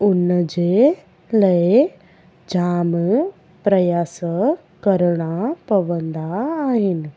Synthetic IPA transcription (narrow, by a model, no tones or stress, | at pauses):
ʊnd͡ʒe | ləe | d͡ʒaːm | pɾəjaːs | kəɾɽ̃apɐʋə̃nd̪aːɦɪn